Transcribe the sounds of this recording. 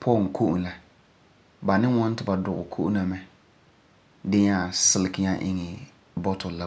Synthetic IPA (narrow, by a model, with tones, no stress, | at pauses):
pʰɔ˦˨ŋ˨kʰo˦ʔṵ˨la˨ | ba˨nɪ˦ŋɔ˦n˦tɪ˨ba˨dʊ˨ʊ̰˨kʰo˦ʔna˨mɛ˦ | dɪ˦ɲa˦˨sɪ˦lɪ˨kɪ˦ɲa˦ʔɪ̰˦ŋɪ˨ | bɔ˦tʰɔ˨la˨